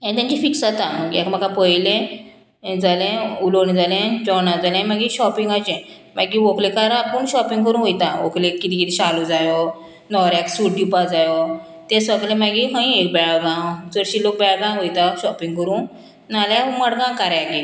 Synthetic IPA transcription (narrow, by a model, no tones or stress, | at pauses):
anit̪jãɲt͡ɕifiʈsat̪ãməɡiɛkm̤akapəjlẽ | d͡zalẽulond͡zalẽd͡ʑɔnad͡zalɛ̃maɡiɕɔpiŋɡat͡ɕɛ̃ | maɡiʋoklekaɾapuɳɕɔpĩŋɡkəɾũʋojt̪aʋoklẽkkːit̪ikit̪ĩɕalud͡zajɔ | nɔɾɛksuʈɖipad͡zajɔ | t̪ɛ̃səɡlẽmaɡiɦə̃ĩek̚bɛɭɡãwd͡zəɾɕilok̚bɛɭɡãwɦojt̪aɕɔpiŋɡkəɾũː | naljɛməɽɡãkaɾjaki